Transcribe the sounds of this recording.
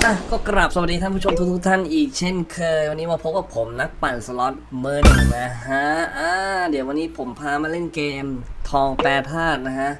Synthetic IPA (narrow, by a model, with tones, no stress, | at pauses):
ʔa˧˩kɔː˥˩kɾa˨˩p̚sa˨˩˨diː˧a˥˩pu˥˩o˧mt̪u˦˥kt̪ʰu˥k̚t̪ʰa˥˩nʔiː˨˩k̚t͡ɕʰe˥˩nkʰɤː˧jwa˧nːiː˦˥maː˧pʰo˦˥p̚ka˨˩pʰo˩˦mna˦˥k̚pa˨˩nsə˧lɔ˦˥t̪̚mɤː˦˥n˨˩ŋna˦˥ɦaː˦˥ʔaː˧di˩˦wa˧nːiː˦˥pʰo˩˦mpʰaː˧maː˧le˥˩nkeː˧mt̪ʰɔː˧ŋpɛː˧˥t̪ʰaː˥˩t̪̚na˦˥kʰa˦˥ʔ